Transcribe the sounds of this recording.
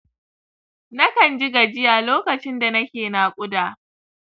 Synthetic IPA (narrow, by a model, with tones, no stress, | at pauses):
nɐ˦kɐ˨nd͡ʒɪ˦ɡa˨d͡ʒɪ˦jaː˨loː˦kɐ˨t͡ʃɪ˦nda˨nɐ˦kʲeː˨naː˨kʷʼʊ˦daː˨